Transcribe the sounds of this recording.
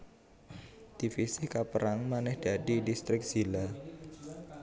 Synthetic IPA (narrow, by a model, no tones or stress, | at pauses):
d̪̥ifisikapəɾaŋmanɛhd̥aɖidist̪ɾɪk̚sila